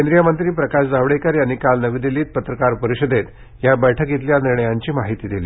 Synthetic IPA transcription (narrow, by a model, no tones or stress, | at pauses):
kend̪ɾijamənt̪ɾiːpɾəkaɕd͡zaʋɽekəɾjanːikalnəʋiːd̪iliːt̪̚pət̪ɾəkaɾpəɾiɕəd̪ʱet̪ | jabəjʈʰəkit̪̬ljaniɾɳəjaɲt͡ɕiːmaɦit̪iːd̪ilḭː